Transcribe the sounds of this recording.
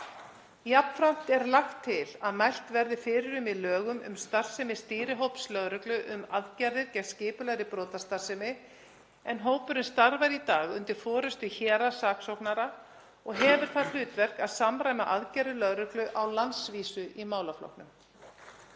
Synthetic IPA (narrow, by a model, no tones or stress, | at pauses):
japn̥fɾam̥t̪ɛɾlaxt̪ʰːɪlaðmajl̥t̪vɛɾðɪfɪːɾɪɾʏmiðlœːɣʏmʏ̰mst̪ar̥sɪmɪst̪iːɾɪɦowpslœɣɾʏklʏʔʏmaðcaɾðɪɾcɛt̪scɪːpʏlɛɣɾɪpɾɔːwt̪ast̪ar̥sɪmɪ | ɛnɦoːwpʏɾɪnst̪aɾvajɾit̪aːɣʏnt̪ɪɾ̥fɔːɾʏst̪ʏçɛːɾasaːksowknaɾa | ɔɣɦɛːvʏɾ̥θaðl̥ʏːt̪vɛr̥kaðsaːmɾajma̰ʔaðcaɾðɪlœɣɾʏklʏʔawlansviːsʏʔimaːwlaflɔ̰wk̚nʏm